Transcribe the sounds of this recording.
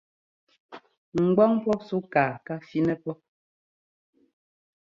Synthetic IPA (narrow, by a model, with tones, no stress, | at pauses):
ŋ̩˨ɡ͡bɔ˦ŋpɔ˦su˦kaː˨ka˦fi˦nɛ˦pɔ˦